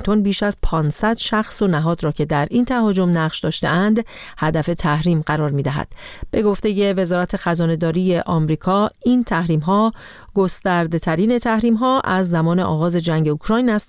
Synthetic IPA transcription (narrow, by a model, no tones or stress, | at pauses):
t̪ʰo̞nbiːʃæzpʰɒːnsæd̪ʃæxso̞næɦɒːd̪ɾɒːcʰe̞d̪æɾʔint̪ʰæɦɒːd͡ʒo̞mnæʁʃd̪ɒːʃt̪e̞̰ænd̪ | hæd̪æfe̞t̪ʰæhɾiːmɢæɾɒːɾmiːd̪æɦæ̰d̪̥b̥e̞ɡo̞ft̪e̞je̞ve̞zɒːɾæt̪ʰe̞xæzɒːne̞d̪ɒːɾiːje̞ʔɒmɾiːkʰɒːint̪ʰæhɾiːmɦɒː | ɡ̥o̞st̪æɾd̪e̞t̪ʰæɾiːne̞t̪ʰæhɾiːmɦɒːʔæzːæmɒːneʔɒ̰ːɣɒːze̞d͡ʒæŋɟe̞ukʰɾɒːjnæst̪